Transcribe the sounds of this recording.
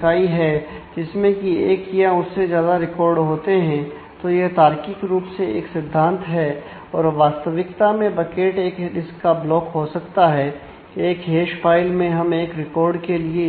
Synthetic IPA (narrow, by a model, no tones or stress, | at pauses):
kaːiɦɛd͡ʒɪsmẽkieːkijãʊsːezjaːd̪aɾɪkɔːɾɖɦoːt̪eɦɛ̃ | t̪ojet̪aːɾkɪkɾuːpseeːksɪd̪ʱːãːnt̪ɦɛ | ɔːɾʋaːst̪əʋɪkt̪amẽbɐkeːʈeːkɖɪskːablɔːkɦosɐkt̪aɦɛ | eːkɦeːʃpaːɪlmẽɦɐmeːkɾɪkɔːɾɖkelie